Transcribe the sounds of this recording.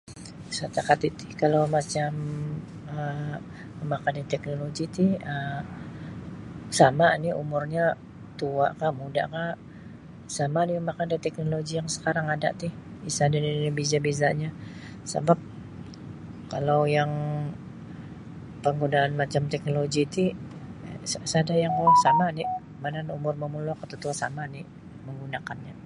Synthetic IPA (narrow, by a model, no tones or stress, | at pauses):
sat̪akat̪it̪ɪ̥hkalawmat͡ʃam | ə | məmakandat̪ɛknoloɡit̪ɪhə | samaniʔṵmʊrɲa | t̪ua̰ʔkamuda̰ʔka | samadiməmakandat̪ɛk̚noloɡijaŋsə̥kaɾaŋada̰ʔt̪ɪhisadaninibizabizaʔɲa | sə̰bap̚ | kalawjaŋ | pəŋɡunaːnmat͡ʃamt̪ɛk̚noloɡit̪i | ssadajaŋkasamani | mananumʊrməmulakat̪ut̪uasamani | məŋɡunakanɲa